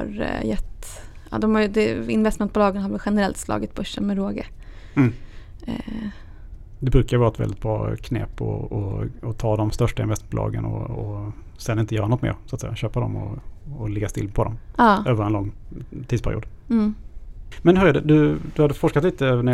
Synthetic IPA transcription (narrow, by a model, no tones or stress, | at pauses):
ɾjɛt̪ː | ɑ̰d̪ɔmhajd̪ɛɪnvɛst̪mɛnt̪̚bʊlɑːɡənhɦaɾvɛlɧɛnəɾɛlt̪slɑ̰ːɡɪt̪̚bɵʂːənmɛɾoːɡə̰ | d̪ɛbɾʉ̟ːkaɾvɑːɾaɛt̪vɛ̰ldɪt̪bɾɑːkʰnɛ̰ːpɔ̰ɔ̰ːt̪ʰɑːd̪ɔmst̪œʂʈaɪnvɛst̪mɛnbʊlɑ̰ːɡə̰nɔ̰ː | sɛnɪnt̪əjœːɾanɔt̪mḛːɾsat̪sɛ̰jaɕøːpad̪ɔmɔ̰ːlɛɡːast̪ɪ̰lpʰɔd̪ɔmɑːøːvəɾɛnlɔŋːt̪ʰid̪spʰæɾɪṵːd̪ | mɛnɦɵɾɛɖɛd̪ɵd̪ɵhad̪ːəfɔʂkat̪liːt̪ənæ